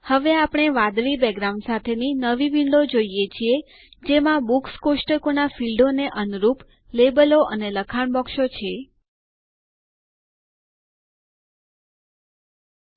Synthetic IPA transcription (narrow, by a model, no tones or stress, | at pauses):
həʋeapɽ̃eʋãd̪ɭibɛɡɾaũɳɖsat̪ʰeninəʋiʋiɳɖod͡ʒoijet͡ʃʰie | d͡ʒemãbukskoʃʈəkonafilɖoneʔənuɾup | lebəloʔəneləkʰaɳbɔkʃot͡ʃʰe